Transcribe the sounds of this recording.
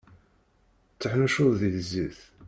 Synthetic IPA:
t͡sːəħnuʃʊððiðziθ

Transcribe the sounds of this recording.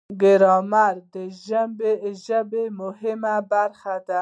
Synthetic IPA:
ɡɪɾɑmaɾd̪əʒambeʒəbemʊhɪmabaɾxad̪a

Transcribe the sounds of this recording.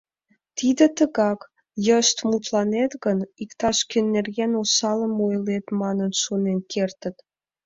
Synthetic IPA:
t̪id̪ə̆t̪əɣɑk | jəʃt̪mut̪lɑnet̪ɣənikt̪ɑʃkynːerɣenosɑləmojlet̪mɑnənʃonenkʰert̪ə̆t̪

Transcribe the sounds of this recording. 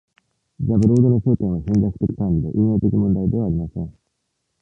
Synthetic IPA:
d͡ʑabɯ̟ɾoːd̪onosoːt̪ẽɰ̃βaɕẽnzakɯ̟̥t̪e̞kʲi̥kãmbʲid̪e̞ʔɯːjo̞ːt̪e̞kʲimõ̞nd̪aid̪e̞βaːɾʲimasẽŋ

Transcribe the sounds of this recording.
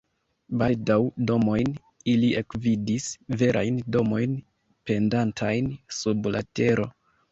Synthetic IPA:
baldawdo̞mo̞jn | ilie̞kvidisve̞ɾʔa̰jndo̞mo̞jn | pe̞ndantʰajnsublate̞ɾo̞

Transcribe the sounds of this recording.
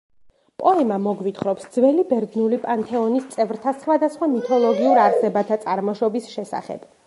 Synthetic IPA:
pʼɔɛmamɔɡvit̪ʰχɾɔpsd̪zvɛlibɛɾd̪nulipʼant̪ʰɛɔnist̪sʼɛvɾt̪ʰasχwad̪asχwamit̪ʰɔlˠɔɡiuɾaɾsɛbat̪ʰat̪sʼaɾmɔʃɔbisʃɛsa̰χɛ̰b̥

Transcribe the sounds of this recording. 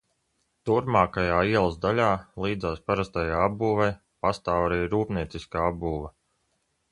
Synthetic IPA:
t̪uɾmaːkajaːiɛlˠzd̪alʲaːlˠiːd̪zaːspaɾast̪ajaːabbuːvɛj | past̪aːwaɾiːɾuːpniɛt̪siskaːabbuːva

